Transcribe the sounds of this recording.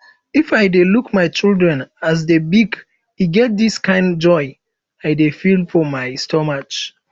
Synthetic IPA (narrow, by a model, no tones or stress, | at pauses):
ifajdelukmaɪt͡ʃildɹɛ̃nas̬debiɡ | iɡɛt̚d̪iskãɪ̃nd͡ʒɔɪ | aɪdefilfɔmaɪstɔmat͡ʃ